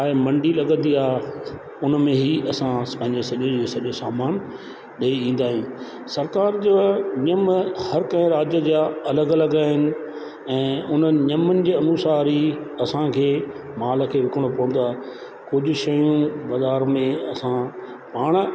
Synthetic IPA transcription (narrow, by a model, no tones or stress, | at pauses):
aːɪmɐ̃ɳɖilɐɠə̃n̆d̪iaːɦ | ʊnmẽɦiɐsãpɐ̃ɦɪ̃ɲd͡ʑesɐʄod͡ʑiːsɐʄosaːmaːn | ɗɐiĩːn̆d̪aːɦijĩ | sɐɾkaːɾd͡ʑoːɲɐmhɐɾkɐ̃ɪ̃ɾaːd͡ʑjəd͡ʑaɐləɡɐlɐɡaːɦɪnɪ̆ | ɛ̃ːʊnəɲɐmənɪ̆d͡ʑiːɐnuːsaːɾiɐsãkʰeː | maːlkʰeːʋɪkəɽ̃opɐʋə̃n̆d̪oaːɦ | kʊd͡ʑʱʊ̆ʃɐjũbɐzaːɾmẽɐsã | paːɽ̃